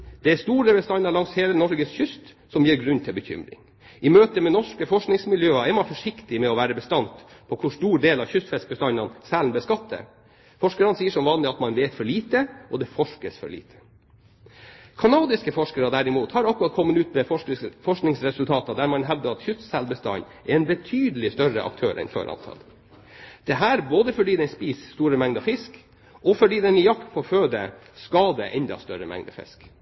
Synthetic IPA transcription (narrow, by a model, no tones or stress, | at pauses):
d̪̥ɛæst̪uːɾəbɛst̪ɑnːɑlɑŋsheːlənɔɾɡəsçʏst̪ | sɔmjiːɾɡɾʉnt̪ʰɪlbəçʏ̰mɾɪ̰ŋ | ʔɪmøːt̪əmɛnɔʂkəfɔʂknɪŋsmɪljøːɑɛɾmɑnfɔʂɪkt̪ɪmɛɔʋæːɾəbəst̪ɑnt̪ | pʰɔkʰʊʂt̪uːɖeːlɑʋçʏst̪fɛsk̪̚bəst̪ɑnɑnsælnb̪ɛskɑt̪̚ːd̪ə̰ | fɔʂkəɾɑnsiːəʂɔmʋɑːnlɪɑt̪mɑnʋeːt̪fɔɭiːt̪əʔɔd̪ɛfɔʂkəsfɔ̰ɭḭːt̪ʰə̥ | kʰɑnɑːd̪ɪskəfɔʂkəɾɑd̪æɾɪmuːt̪hɑɾɑkʉɾɑt̪̚kʰɔmːənʉːt̪mɛfɔʂknɪŋsɾɛsʉlt̪ʰɑːt̪ɑd̪æɾmɑnɦɛʋd̪əɑt̪çʏt̪sælbəst̪ɑ̰nː | ʔɛɾɛnbət̪ʰyːd̪əlɪst̪œɾə̰ʔɑ̰k̚t̪ʰøːɾʔɛ̰nfø̰ːɾʔɑ̰nt̪ʰɑ̰l | d̪̥ɛɦæːɾboːd̪əfɔɖiːd̪ɛɪspiːsst̪uːɾəmɛŋd̪ɑfɪsk | ʔɔfɔɖiːd̪ɛnɪjɑkt̪pʰɔføːd̪ə̰ | skɑd̪ɛʔɛnd̪ɑ̰st̪œɾəmɛ̰ŋd̪ɑ̰fɪ̰sk